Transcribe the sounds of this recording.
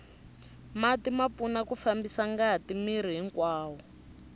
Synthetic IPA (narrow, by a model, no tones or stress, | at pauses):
matimap̪funakufambisaŋɡaɦatimiɾ̤iɦiŋkwaːwɔ